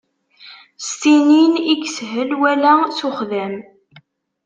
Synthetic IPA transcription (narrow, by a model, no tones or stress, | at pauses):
st̪ininiɡsɦəlwælæsuχðæm